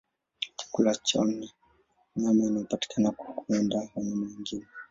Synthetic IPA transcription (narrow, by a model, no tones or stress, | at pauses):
t͡ʃḁkulat͡ʃɔna | ɲamainaɔpati̥kʰanakḁkuɛndawaɲamawiŋɡinɛ